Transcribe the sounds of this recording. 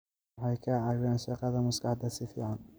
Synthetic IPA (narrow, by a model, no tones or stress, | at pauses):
ħɑjkʰɐʕɑːɣaːnʃɑqɑðɐmʊskɑħd̪ɐsɪfḭːʕɑn